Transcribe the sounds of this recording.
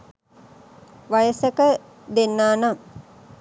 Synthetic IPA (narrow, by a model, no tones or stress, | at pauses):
ʋajəsəkə | d̪enːaːnam